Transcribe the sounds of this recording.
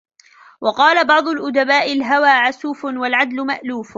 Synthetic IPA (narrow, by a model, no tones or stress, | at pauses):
wɑqɑːlabɑʕd̪ˤʊlʔʊd̪abaːʔɪlɦawaːʕasuːfnwalʕad̪lʊma̰ʔluːf